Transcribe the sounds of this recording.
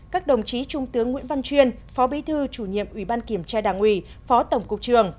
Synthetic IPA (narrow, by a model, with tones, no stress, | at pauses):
kaː˦˥k̚ɗə˨˩wŋ͡mt͡ɕi˨˦t͡ɕʊ˧ŋ͡mt̪ɨ˨˦əŋːwḭ˧˥ənva˧nt͡ɕwi˧ənfɔ˨˦ɓi˨˦t̪ʰɨ˧t͡ɕu˧˩ɲḭ˧˨əmʔwi˧˩ɓaː˧nki˧˩əmt͡ɕaː˧ɗaː˧˨˩ŋʔwi˧˩ | fɔ˨˦t̪ə˧˩wŋ͡mkʊ˨˩k͡p̚t͡ɕɨ˨˩əŋ